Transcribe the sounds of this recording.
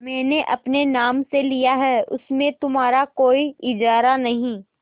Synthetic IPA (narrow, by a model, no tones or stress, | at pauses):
mɛ̃ːneʔɐpnenaːmselijaɦɛːʔʊ̰smẽt̪ʊmɦaːɾakoːiɪd͡ʒaːɾanɐɦĩː